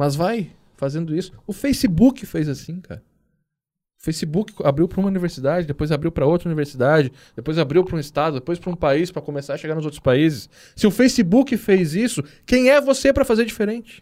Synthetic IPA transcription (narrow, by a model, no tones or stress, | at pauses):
mɐzvaj | fazẽnd̪ʊisʊ̥ʊfejsɪbukɪfejzasĩkʰa̰ɾɐ | ʊfejsɪbukɪabɾiwpɾɐũmɐuniveɾsid̪ad͡ʒɪd̪epojzabɾiwpɾɐowt̪ɾɐuniveɾsid̪ad͡ʒɪ | d̪̥epojzabɾiwpɾũɪst̪ad̪ʊd̪epojspɾɐũpaispɾɐkomesaɾɐʃeɡaɾnʊzowt̪ɾʊ̥spaizɪs | sɪʊfejsɪbukɪfejzisʊ | kẽj̃ɛvosepɾɐfazeɾd͡ʒifeɾẽnt͡ʃɪ̥